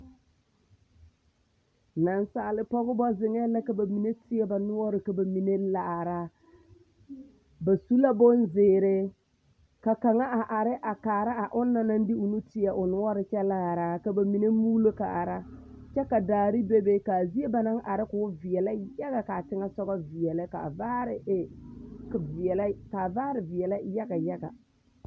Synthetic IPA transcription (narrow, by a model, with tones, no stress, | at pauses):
na˨nsaː˨lɪ˦pɔ˦ɣʊ˦bɔ˦zɪ˨ŋɛ˦la˦ka˨ba˨mi˨ne˦tɪ˦ɛ˦ba˨nʊ˦ɔ˦ɾɪ˨ka˨ba˨mi˨ne˦la˨ɾa˦ | ba˨su˦la˦bo˦nzɪː˨˦˨ɾɪ˦ | ka˨ka˨ŋa˦a˨ʔa˨ɾɪ˦ʔa˨kaː˨ɾa˦a˨ʔʊ˦nːa˨na˦n˦dɪ˦ʊ˨nu˦tɪ˦ɛ˨ʔʊ˨nʊ˦ɔ˦ɾɪ˦t͡ʃɛ˦laː˦˨ɾa˦ka˨ba˨mi˨ne˦muː˦lo˦ka˨ʔa˨ɾa˦ | t͡ʃɛ˦ka˨daː˨ɾi˦be˦be˦ka˨zi˦e˦ba˨na˦ŋʔa˨ɾɪ˦kʊ˨ʊ˦vɪ˨ɛ˨la˦ja˦ɡa˨ka˨tɪ˦ŋa˦sɔ˦ɡa˦vɪ˨ɛ˨lɪ˦ka̰˨vaː˦ɾɪ˨e˨kvɪ˨ɛ˨la˦ka˨vaː˦ɾɪ˨vɪ˨ɛ˨la˦ja˦ɡa˨ja˦ɡa˨